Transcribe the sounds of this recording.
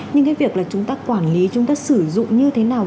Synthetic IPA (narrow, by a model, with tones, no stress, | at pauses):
ɲɲɨ˧ŋkaː˨˦vi˨˩ək̚laː˨˩t͡ɕʊ˨˦ŋ͡mt̪aː˧kwaː˧˩nli˨˦t͡ɕʊ˨˦ŋ͡mt̪aː˧sɨ˧˩zʊ̰˧˨ŋ͡mɲɨ˧t̪ʰe˨˦naː˨˩w